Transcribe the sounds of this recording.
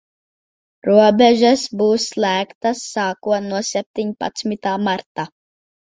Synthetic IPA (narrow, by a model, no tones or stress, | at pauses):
ɾuɔbʲɛʒɛsbuːsːlˠæːkt̪asːaːkuɔnuɔsʲɛp̚t̪iɲpa̰t̪smit̪aːmaɾt̪a